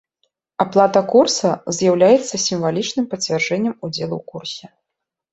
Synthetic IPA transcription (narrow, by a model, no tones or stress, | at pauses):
aplˠat̪ɐkursɐzʲjawlʲajɛt̪sːɐsʲimvalʲit͡ʂnɨmpɐt͡sʲvʲarʐɛnʲːɐmud͡zʲɛlˠṵwkursʲɛ